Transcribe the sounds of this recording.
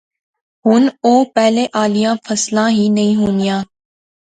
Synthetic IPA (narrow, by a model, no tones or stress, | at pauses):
ɦʊnoːpɛɦleːʔaːlijãːfʰəslãːɦiːnɐĩːɦuːnijãː